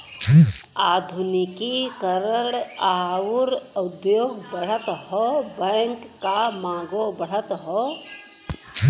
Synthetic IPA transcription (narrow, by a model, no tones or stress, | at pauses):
aːd̪ʱʊnikikəɾəɽaːʊɾəd̪joːɡbəɽ̤ət̪ɦɔbɛŋkːamãːɡobəɽ̤ət̪ɦɔ